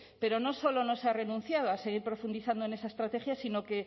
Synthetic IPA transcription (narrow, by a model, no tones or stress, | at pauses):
peɾonosolonosarenũn̟θjað̞oaseɣ̞iɾpɾofund̪iθand̪oenesaest̪ɾat̪exjasinoke